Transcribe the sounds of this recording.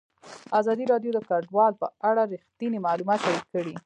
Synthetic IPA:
azɑd̪iɾɑɖjod̪əkaɖwɑlpəaɽaɾixt̪inimalumɑt̪ʃaɾit̪̚kəɽi

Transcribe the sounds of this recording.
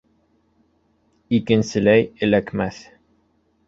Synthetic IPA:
ikɘ̆nsɘ̆læjɘ̆lækmæθ

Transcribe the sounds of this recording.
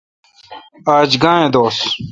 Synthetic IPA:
aːd͡ʑɡãːẽːd̪oːs

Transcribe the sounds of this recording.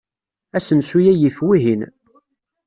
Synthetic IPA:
æsənsujæjiθwiɦin

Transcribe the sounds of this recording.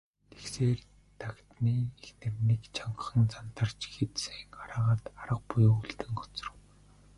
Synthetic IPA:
t̪ʰe̥kseːr | t̪ʰakt̪niːexnɘ̆rnekt͡ɕʰaɴɢχə̆nt͡sant̪ə̆r̥t͡ɕxet̪seŋɢaɾaːʁaːt̪aɾə̆q̚pʊjːuɮt̪ɘ̆ŋɢɔ̥t͡sɞ̆rə̆w

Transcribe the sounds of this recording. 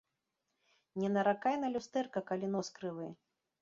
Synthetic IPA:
nʲɛnɐɾakajnɐlʲust̪ɛrkɐkalʲinɔskɾɨvɨ

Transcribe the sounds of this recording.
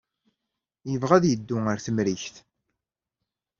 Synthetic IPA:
jəvʁæðjəd̪ːʊəɾθəmɾiçθ

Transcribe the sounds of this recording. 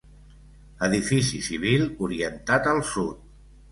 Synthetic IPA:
əðifisisiβ̞ilˠuɾiənt̪at̪əlˠsut̪̚

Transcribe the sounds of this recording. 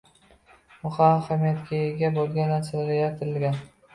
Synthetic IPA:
mʊχahamijat̪kʲʰaeɡʲabolɡʲanasalaɾajaɾt̪ʰɪɾɪlɡʲan

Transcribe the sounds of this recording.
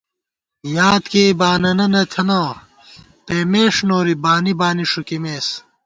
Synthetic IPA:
jaːt̪keibaːnɐnɐnɐt̪ʰɐnãː | peːmeːʂnoːɾibaːnibaːniʂukimeːs

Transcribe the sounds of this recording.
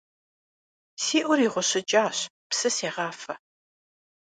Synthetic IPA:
siːʔʷʊɾiːʁʷʊɕɪt͡ʃʼaːɕ | psɨseːʁɑːfɐ

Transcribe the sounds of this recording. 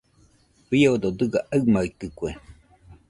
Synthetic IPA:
βiod̪od̪ɯɡaʔamait̪ɯkʷe

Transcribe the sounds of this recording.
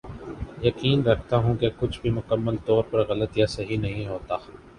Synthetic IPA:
jɐkiːnɾɐkʰt̪aɦũkekʊt͡ʃʰbʱimʊkəmːəlt̪ɔːɾpɐɾɣɐlət̪jasɐɦinɐɦĩɦoːt̪aː

